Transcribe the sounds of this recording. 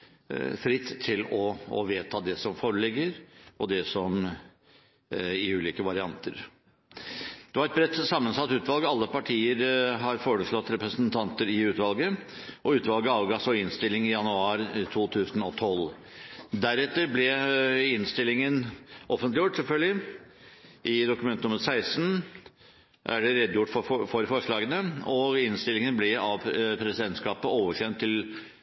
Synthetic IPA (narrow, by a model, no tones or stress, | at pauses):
fɾɪt̪ʰːɪlɔɔ̰ʋeːt̪ʰɑːd̪ɛsɔmfoːɾəɭɪɡːəɾɔd̪ɛsɔm | ɪʉːliːkəʋɑɾɪɑnt̪ʰə̰ɾ | d̪̥ɛʋɑɾɛt̪bɾɛt̪ːsɑmːənsɑt̪ːʉːt̪ʋɑlɡəɑlːəpɑʈʰiːəɾɦɑɾfoːɾəʂɭɔt̪ːɾɛpɾəsənt̪ʰɑnt̪əɾɪʉːt̪ʋɑlɡəʔɔʉːt̪ʋɑlɡəɑʋɡɑsɔɪnst̪ɪlɪŋɪjɑnʉɑːɾt̪ʰuːt̪ʰʉːsən̩ɔt̪ʰɔl | d̪æɾɛt̪ːəɾblɛɪnst̪ɪlːɪŋənʔɔfənt̪lɪjʊʈːsɛlfœlɡlɪ | ʔɪd̪ʊkʉmɛnt̪ənʊməɾsæɪsn̩ | ʔæɖɛɾɛd̪ːjʊʈːfɔfɔɾfɔʂɭɑːɡənəɔɪnst̪ɪlːɪŋənblɪɑʋpʰɾɛsɪd̪ɛnt̪skɑːpəoːʋəʂɛnt̪ʰːɪl